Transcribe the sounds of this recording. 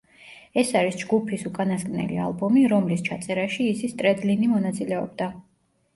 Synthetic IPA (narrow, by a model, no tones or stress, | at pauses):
ɛsaɾisd͡ʒɡupʰisukʼanaskʼnɛ̰lḭa̰lˠbɔmiɾɔmlist͡ʃʰat̪sʼɛɾaʃiːsist̪ʼɾɛd̪linimɔnat̪sʼilɛɔb̚d̪a